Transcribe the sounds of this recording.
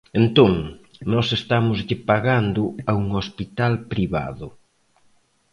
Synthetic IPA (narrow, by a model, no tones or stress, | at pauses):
ent̪oŋnɔsest̪amʊzʎɪpaɣand̪ʊauŋospit̪alpɾiβa̰ðʊ